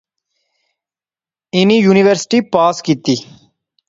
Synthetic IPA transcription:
ɪnijuːniʋəɾsɪ̥ʈiːpaːskiːt̪iː

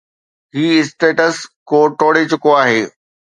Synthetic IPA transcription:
ɦiːɪsʈeːʈəskoːʈoːɽet͡ɕʊkoaːɦeː

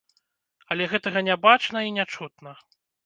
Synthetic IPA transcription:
ɐlʲɛɣɛt̪ɐɣɐnʲabat͡ʂnɐinʲat͡ʂut̪nɐ

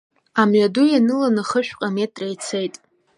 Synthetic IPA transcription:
amɥadujanɨlanɨχəʃᶣqʼame̞tʼrajt͡sʰejtʼ

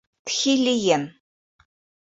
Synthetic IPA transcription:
t̪xilʲijen

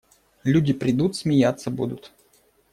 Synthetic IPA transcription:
lʲudʲɪpɾʲɪd̪ut̪smʲɪjat̪sːəbṵd̪ʊt̪

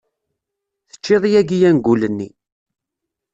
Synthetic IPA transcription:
θə̥t͡ʃːɪðˤijæɡijænɡulənːi

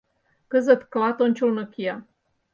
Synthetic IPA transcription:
kəzət̪klɑt̪onʲt͡ɕulnəkijɑ

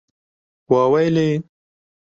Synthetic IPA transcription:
waːwajle

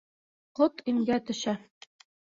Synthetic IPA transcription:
qot̪imɡæt̪ɵ̆ʃæ

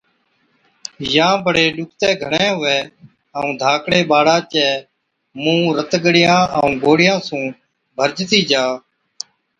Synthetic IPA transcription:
jãːbʱəɽeːɗʊk̚ʰt̪ɛːɡʱəɳɛ̃ːɦʊʋɛː | əũːd̪ʱaːkɽeːɓaːɽaːt͡ʃɛː | mũːɾət̪ɡəɽɪjãːəũːɡoːɽɪjãːsũː | bʱəɾd͡ʒt̪iːd͡ʒaː

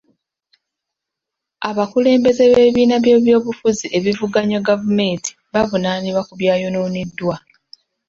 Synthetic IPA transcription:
aβakule̞ːmbe̞ze̞βe̞βiːnaβje̞ːβjo̞ːβufuziʔe̞βivuɡaɲaɡavume̞nti̥βavunaniβakuβjaːjo̞noːnidːwa

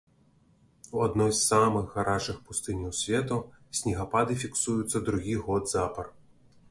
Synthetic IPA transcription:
wad̪nɔjssamɨɣɣaɾaʂɨxpust̪ɨnʲiwsʲvʲɛt̪usʲnʲiɣapad̪ɨfʲiksujut̪sːɐd̪ɾuɣʲiɣɔd̪zapɐr

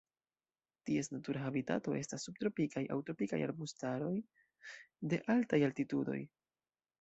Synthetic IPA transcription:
tie̞snatuɾaxabita̰to̞e̞stasːub̚t̪ɾo̞pikaja̰wtɾo̞pika̰ja̰ɾbustaɾo̞j | de̞ʔaltajaltitudo̞̰j

